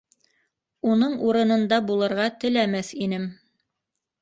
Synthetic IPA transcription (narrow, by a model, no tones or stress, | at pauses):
unɤɴuɾɤ̆nɤ̆nd̪ɑbulˠɤ̆ɾʁɑt̪ɘ̆læmæθinɘm